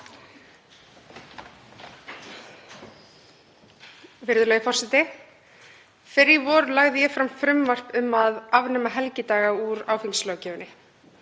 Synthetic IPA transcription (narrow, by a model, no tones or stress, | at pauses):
vɪɾðʏlɛːɣɪfɔr̥sɛt̪ɪ | fɪɾivɔɾlaɣðɪjɛfɾamfɾʏmvar̥pʏmːaðavnʏːmaɦɛlcɪt̪aːɣauɾaːwfiŋslœːwcɛːvʏnːɪ